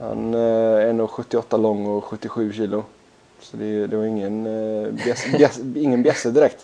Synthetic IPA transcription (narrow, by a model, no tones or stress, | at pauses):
ha̰nɛnːoːɧɵt̪ːɪɔt̪ːalɔŋːɔɧɵt̪ːɪɧʉ̟ːɕiːlʊ | sɔd̪ɛd̪ɛvaɾɪŋːənbɛsbɛsɪŋːənbjɛsːəd̪ɪɾɛk̚t̪